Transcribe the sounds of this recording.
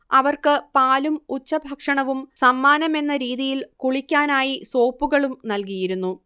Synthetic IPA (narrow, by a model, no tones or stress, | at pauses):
ɐʋɐrkɨpaːlumut͡ɕːɐbʱɐkʂɐɳɐʋumsɐmːaːnɐme̞nːɐɾiːðijilkuɭikʲːaːnaːjiso̞ːpːuɣɐɭumnɐlkijiɾunːu